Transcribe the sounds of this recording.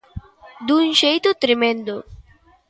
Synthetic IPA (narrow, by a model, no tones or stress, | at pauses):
d̪unɕejt̪ut̪ɾɪmend̪o